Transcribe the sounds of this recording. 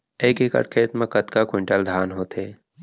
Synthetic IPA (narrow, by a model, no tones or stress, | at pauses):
eːkekɐ̰ʈkʰeːt̪mẽkət̪kakwɪɳʈəld̪ʱaːnɦoːt̪eː